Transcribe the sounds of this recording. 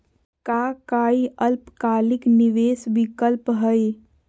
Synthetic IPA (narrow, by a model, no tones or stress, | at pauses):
kaːkaːiəlpkaːlɪknɪʋeːsbɪkəlpɦəe